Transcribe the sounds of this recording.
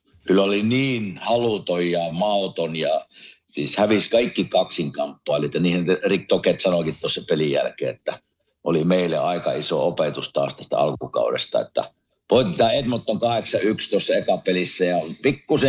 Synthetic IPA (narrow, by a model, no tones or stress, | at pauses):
kylːoliniːnhɑlut̪ojjɑmɑˑot̪onjɑ | sḭːshæʋiskɑikːikɑksiŋkɑmpːoɑˑliet̪jɑniːhenrikːoket̪sɑnokit̪t̪uosːɑpelijæ̰lkḛːet̪ːæ | ʔolimeˑilːeɑˑikɑiso̰opet̪ust̪ɑ̰st̪æst̪æ̰ɑ̰lkukɑ̰ˑudḛst̪ɑ̰ḛt̪ːæ̰ | poˑit̪et̪ɑet̪mot̪ːoŋkɑheksɑykst̪osːɑekɑpelisːæjɑpikːuse